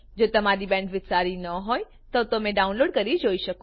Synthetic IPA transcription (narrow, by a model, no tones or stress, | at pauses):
d͡ʒoːt̪ɐmaɾibɛ̃ːɳʈʋɪt͡ʃaːɾinɐɦoːe | t̪ɐʋt̪omẽɖaːʊ̃nloːɽkɐɾid͡ʒoːiʃɐkõ